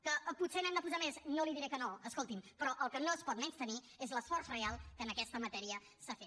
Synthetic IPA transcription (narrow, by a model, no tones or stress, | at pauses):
kəputsenɛmd̪əpuzameznoliðiɾekənoəskolˠt̪impɾɔʔəlˠkənoəspɔt̪̚mɛnst̪əni | ezləsfɔrzrealˠkəːnəkɛst̪əmət̪ɛɾiə | safe